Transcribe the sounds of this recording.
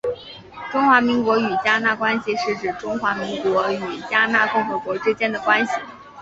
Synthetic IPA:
ʈ͡ʂʊ˥ŋxwa˧˥mi˧˥ŋkwɔ˧˥y˨˩t͡ɕja˥na˥˧kwa˥nɕi˨ʂɻ̩˥˩ʈ͡ʂɻ̩˨˩ʈ͡ʂʊ˥ŋxwa˧˥mi˧˥ŋkwɔ˧˥y˨˩t͡ɕja˥na˥˧kʊ˥˧ŋxɤ˧˥kwɔ˧˥ʈ͡ʂɻ̩˥t͡ɕjɛ˥nd̪ə˨kwa˥nɕi˨˩

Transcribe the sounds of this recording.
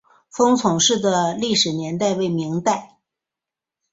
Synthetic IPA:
fɤ˥ŋt͡sʰʊ˨˩ŋʂɻ̩˥˩d̪ə˩li˥˩ʂɻ̩˨˩njɛ˧˥nt̪a˥˧ɪwe˥˩ɪmi˧˥ŋt̪a˥˩ɪ

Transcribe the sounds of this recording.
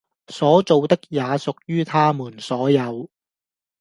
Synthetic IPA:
sɔː˨˥t͡so˨wt̪ɪ˥k̚jaː˨˧sʊ˨k̚jyː˥t̪ʰaː˥muː˨˩nsɔː˨˥jɐ˨˧w

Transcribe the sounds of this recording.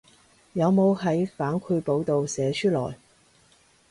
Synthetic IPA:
jɐ˨˧wmo˨˧whɐ˨˥jfaː˨˥nkʷʰu˧po˨˧wt̪o˨˧wsɛː˨˧sʰyː˥lɔ̰ː˨˩j

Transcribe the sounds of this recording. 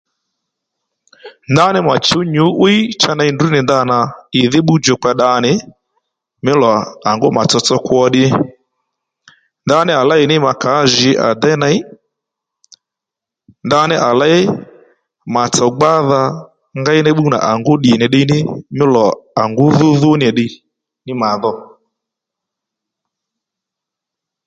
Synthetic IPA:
nda˦nɪ˦ma˨t͡ʃʊ˨˦ɲʊ˨˦ʔwi˦i˦t͡ʃa˦na˧jndu˦nɪ˨nda˧˦na˨ɪ˨ðɪ˦ɓu˦d͡ʒo˨k͡pa˧ɗa˧˦nɪ˨ | mɪ˦lɔ˨a˨ŋɡʊ˦ma˨t͡sɔ˧t͡sɔ˧kwɔ˧ɗɪ˧ | nda˧˦nɪ˦a˨la˦ɪ˨nɪ˦ma˨ka˨˦ʒɪ˨˦ʔa̰˨d̪ɛ˦na˦ɪ˦ | nda˧˦nɪ˦ʔa˨la˦ɪ˦ | ma˨t͡sɔ˨ɡ͡ba˦ða˧ | ŋɡa˦ɪ˦nɛ˦ɓu˦na̰˨ʔa˨ŋɡʊ˦ɗi˨nɪ˨ɗɪ˧nɪ˦mɪ˦lɔ˨a˨ŋɡʊ˦ðʊ˦ðʊ˦n˨ɛ˨ɗɪ˧ | nɪ˦ma˨ðɔ˦

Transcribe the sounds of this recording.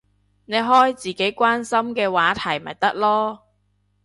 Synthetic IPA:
ne˨˧jɦɔː˥jt͡siː˨ke˨˥jkʷaː˥nsɐ˥mkɛː˧waː˨˥t̪ʰɐ˨˩jmɐ̰˨˩jt̪ɐ˥k̚lɔː˥

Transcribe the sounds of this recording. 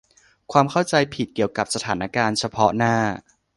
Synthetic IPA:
kʰwaː˧mkʰa˥˩wt͡ɕa˧jpʰi˨˩ki˨˩əwka˨˩p̚sa˧t̪ʰaː˩˦nʔa˦˥kaː˧nt͡ɕʰa˧pʰɔ˦˥naː˥˩

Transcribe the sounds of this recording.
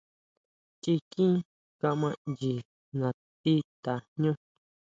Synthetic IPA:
t͡ʃi˧kĩ˦ | ka˧mã˧nd͡ʒi˨ | nã˨ | t̪i˦t̪a˨ɲõ˦

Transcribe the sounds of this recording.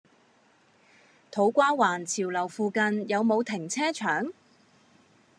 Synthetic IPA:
t̪ʰo˨˥wkʷaː˥waː˨˩nt͡sʰiː˨˩wlɐ˨˩wfuː˧kɐ˧njɐ˨˧wmo˨˧wt̪ʰɪ˨˩ŋt͡sʰɛː˥t͡ʃʰœː˨˥ŋ

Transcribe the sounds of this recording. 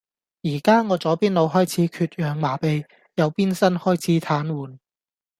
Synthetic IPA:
jiː˨˩kaː˥ŋɔː˨˧t͡sɔː˨˧˥piː˥nlo˨˧wɦɔː˥jt͡sʰiː˨˥kʰyː˧t̚jœː˨˧ŋmaː˨˩pe˨˧j | jɐ˨˧wpiː˥nsɐ˥nhɔː˥jt͡sʰiː˨˥t̪ʰaː˨˥nwuː˨˩n

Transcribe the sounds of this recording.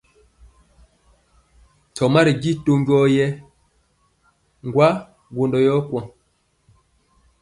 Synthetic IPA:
t͡sɔ˨ma˦ɾi˨ɡi˦to˦ŋɡɔ˦jɛ˦ | ŋɡwa˦ | ɡo˨ndɔ˨jɔ˦kwɔ˦˨ŋ

